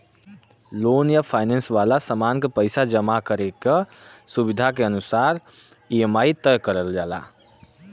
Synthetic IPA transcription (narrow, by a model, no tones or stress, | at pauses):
lonjəpʰajnensʋalasəmankepəɪsad͡ʒəmakəɾekesubid̪ʱakeənusaɾ | iemajt̪əjkəɾəld͡ʒala̰